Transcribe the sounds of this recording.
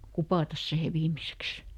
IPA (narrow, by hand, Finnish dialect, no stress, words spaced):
kupɑˑtɑs sihe ʋiːmiseks